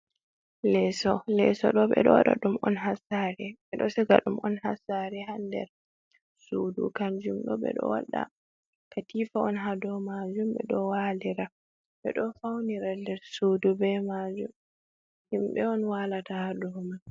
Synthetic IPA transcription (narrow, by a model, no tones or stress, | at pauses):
lɛsɔlɛsɔɗɔɓɛ̰ɗɔ̰wa̰ɗa̰ɗumʔɔnɦasaɾɛɓɛɗɔsɛɡa̰ɗumʔɔnhasaɾɛɦandɛ̰ɾ | sudṵkaɲd͡ʒumɗɔ̰ɓɛ̰ɗɔ̰wa̰ɗa̰ | katiːfaɔnɦadɔmad͡ʒumɓɛ̰ɗɔwaliɾa | ɓɛ̰ɗɔfawniɾalɛɾsuːdubɛmad͡ʒum | himɓɛɔnwalatahadɔman